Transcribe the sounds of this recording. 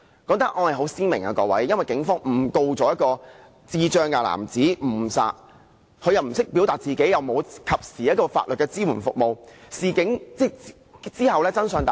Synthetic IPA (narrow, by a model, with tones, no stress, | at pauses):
kɔː˨˥ŋt̪ɐ˥k̚ʔɔ˨˧hɐ˨jɦo˨˥wsiː˥nmɪ˨˩ŋa̰ː˨˧kɔː˧wɐ̰˨˥jːɐ˥nwɐ˨jkɪ˨˥ŋfɔː˥ŋm̩˨˩ko˧wt͡sɔː˨˥jɐ˥t̚kɔː˧ | t͡siː˥t͡ʃœː˧ŋkaː˧la̰ː˨˩mt͡siː˨˥m̩˨˩sa̰ː˧t̚ | kʰɵ˨˧jɐ˨wm̩˨˩sɪ˥k̚pi˨˥wt̪aː˨t̚t͡siː˨ke˨˥jɐ˨wmo˨˧wkʰɐ˨p̚siː˨jɐ˥t̚kɔː˧fa̰ː˧t̚lɵ˨t̚kɛː˧t͡siː˥wuː˨˩nfʊ˨k̚mo˨wsiː˨kɪ˨˥ŋt͡sɛ˥˩ | t͡siː˥hɐ˨wlɛː˥t͡sɐ˥nsœː˨˧ŋt̪a˨